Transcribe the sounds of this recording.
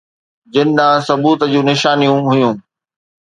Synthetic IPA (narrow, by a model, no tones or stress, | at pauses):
d͡ʑɪnɪ̆ɗãːsɐbuːt̪əd͡ʑũːnɪʃaːnijũɦʊjũː